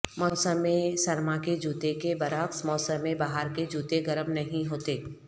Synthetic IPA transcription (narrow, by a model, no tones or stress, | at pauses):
mɔːsəmːẽsɐɾmaked͡ʒuːt̪ekebɐɾaːksmɔːsəmːẽbaːɦəɾked͡ʒuːt̪eɡɐɾəmnɐɦĩɦoːt̪eː